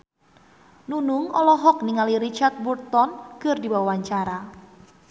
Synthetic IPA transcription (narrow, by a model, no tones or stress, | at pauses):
nunuŋɔlɔɦɔk̚niŋaliɾit͡ʃart̪̚burt̪ɔnkərdiwawaɲt͡ʃaɾa